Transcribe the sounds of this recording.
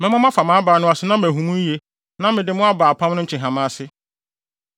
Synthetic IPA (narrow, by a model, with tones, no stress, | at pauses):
mɛ̃˦mã˦mã˦fa˨mãː˨˦baː˨˦nʊ̃˦a˨sɪ˦nã˦m˨æ˨ɦũ˨mũ˦je˦ | nã˦mɪ̃˨dɪ˨mʊ̃˦a˦baː˨pʰã˦m˦nʊ̃˦ɲ̩˦t͡ɕʰɪ̃˨ɦã˨mã˦sɪ˦